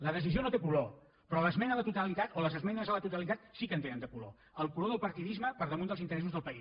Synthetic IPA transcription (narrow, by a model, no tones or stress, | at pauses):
ləðəs̬izionot̪epulo | pɾɔləzmɛnəðət̪ut̪əlit̪at̪oləzəzmɛnəzələt̪ut̪əlit̪at̪sikənt̪enənd̪əpulo̰ | əlˠkuloðəlˠpəɾt̪iðizməpəɾðəmund̪əlˠzint̪əɾɛs̬uzðəlˠpəi